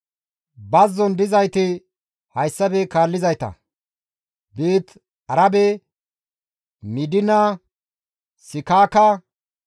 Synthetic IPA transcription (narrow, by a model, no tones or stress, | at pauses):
bɐzːɔnd̪ɪzɐjt̪ɪ | hɐjsːɐbɛkaːlːɪzɐjt̪ɐ̰ | biːt̪ | ɐɾɐbɛ | mɪd̪ɪnɐ | sɪkaːkɐ